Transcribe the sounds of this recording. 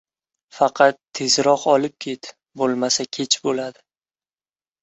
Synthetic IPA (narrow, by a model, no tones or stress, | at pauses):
fɑqʰɑt̪ʰːe̞zɾɒqɒlɪp̚kʲʰe̞t̪ | bolˠmasakʲʰe̞t͡ʃʰbolad̪ɪ